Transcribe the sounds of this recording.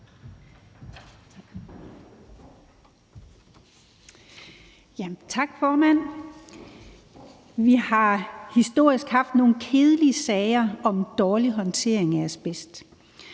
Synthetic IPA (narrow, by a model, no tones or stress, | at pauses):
jæt͡sʰɑ̈ɡ̥fɒːmæn̰ | ʋihɑ̈hisd̥o̝ɐ̰isɡ̥hɑ̈fd̥no̝ːn̩kʰe̝ːð̞ˠəliəsɛːɪɐɒ̽md̥ɒːliɦɒ̽nt͡sʰe̝ɐ̰eŋææɐsb̥esd̥